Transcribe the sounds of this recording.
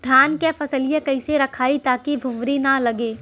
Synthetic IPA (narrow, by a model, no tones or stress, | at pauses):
d̪ʱjaːnkefɐsəlijãkɐɪseɾɐkʰaːit̪aːkibʱʊ̃mɾinalɐɡeː